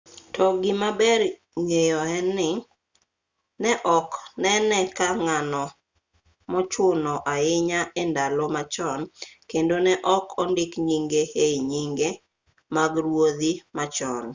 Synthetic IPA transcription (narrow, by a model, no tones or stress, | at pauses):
tʰɔɡɪmabɛr | ŋejɔɛnːɪ | nɛʔɔknɛnɛkaŋanɔ | mɔt͡ʃʊnɔʔaɪɲaʔendalomat͡ʃɔnkendonɛʔɔkʰɔndɪkɲiŋɡehejɲiŋɡe | maɡɾwod̪imat͡ʃɔ̰n